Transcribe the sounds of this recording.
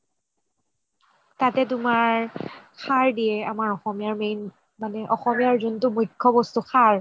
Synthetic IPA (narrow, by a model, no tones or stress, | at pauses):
tatɛtʊmaɹkʰaɹdijɛamaɹɔxɔmijaɹmejn | manɛʔɔxɔmijaɹzuntʊmujkʰːɔbɔstuxʰaɹ